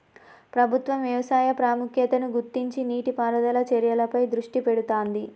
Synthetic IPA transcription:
pɾɐbʱut̪ʋɐmʋjɐʋɐsaːjɐpɾaːmukʰjɐt̪ɐnuɡuɾt̪ːiɲt͡ʃiniːʈipaːɾɐd̪ɐlɐt͡ʃɛɾjɐlɐpɐjd̪ɾuʂʈipeɽut̪oːnd̪i

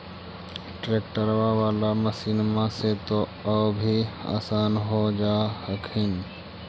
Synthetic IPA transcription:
ʈɾeːk̚ʈəɾʋaʋaːlaməsiːnmãset̪oəbʱia̰ːsaːnɦod͡ʒaːhəkʰɪn

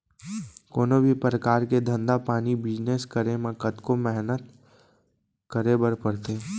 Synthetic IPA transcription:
koːnobʱipɾəkaːɾked̪ʱə̃nd̪apaːnibɪd͡ʒneːskəɾemə̃kət̪komɛɦnət̪ | kəɾebəɾpəɽt̪eː

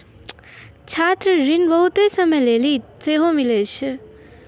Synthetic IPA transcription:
t͡ʃʰat̪ɾəɾinbʌɦut̪esʌmʌjlelit͡seɦomilet͡ʃʰ

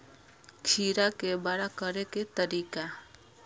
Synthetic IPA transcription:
kʰiːɾakebaɽakəɾeket̪əɾiːka

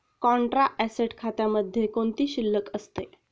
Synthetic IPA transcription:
kɔɳʈɾaʔɛseʈkʰat̪jaməd̪ʱːjekoɳt̪iːɕilːəkəst̪e

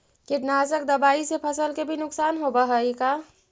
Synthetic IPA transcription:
kɪʈnasəkd̪əbaːisepʰəsəlkebʱinʊksaːnɦobəɦəika

